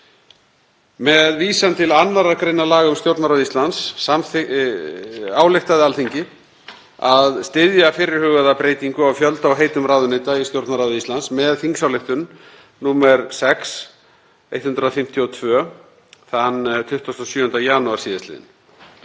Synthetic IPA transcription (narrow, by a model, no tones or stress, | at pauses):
mɛðviːsant̪ʰɪlanːaɾaɾkɾejnalaːɣaʏmst̪jowɾt̪naɾawðist̪lansːamθ | aːwlɪxt̪aðɪalθiɲcɪ | aðst̪ɪðjafɪɾɪɾ̥hʏɣaðapɾeːjt̪iŋkʏawfjœlt̪awɦeːjt̪ʏmraːðʏnejt̪aist̪jowɾt̪naɾaðist̪lansmɛðθiŋksawlext̪ʏn | nuːmɛɾsɛks | ejt̪hʏnt̪ɾaðfɪm̥t̪ʰjɔt̪ʰvœ | θanːt̪ʰʏht̪ast̪ɔsjʏːhʏnt̪ajanuaɾ̥siːðaslɪ̰ːðɪ̰n